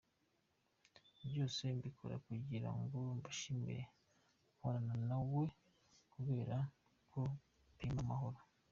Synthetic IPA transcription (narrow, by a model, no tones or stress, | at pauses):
bjo̞ːse̞mbikʰo̞̰ɾa̰kuɟiɾa̰ŋɡo̞mbaʃimḭɾe̞̰ | uwanananawe̞ | kuβe̞ːɾa | kʰo | piːmamaɦo̞ɾo